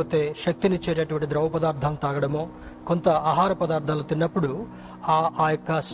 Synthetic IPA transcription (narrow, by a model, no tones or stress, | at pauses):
oːt̪eːʃɐk̚t̪init͡ʃeːɾeːɐʈuʋɐɳʈid̪ɾɐwʋɐpɐd̪aːɾd̪ʱɐmt̪aːɡɐɽɐmo̞ː | kont̪ɐaːɦaːɾɐpɐd̪aːɾt̪ːaːlot̪inːɐpːuɽu | aːaːjokːɐs